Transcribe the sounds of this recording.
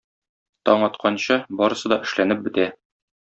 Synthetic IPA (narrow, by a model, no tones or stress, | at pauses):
t̪ɒɴɒt̪̚qɑnɕɤbɒɾɤ̆sɤd̪ɒʔɘ̆ʃlænɘp̚bɘ̆t̪æ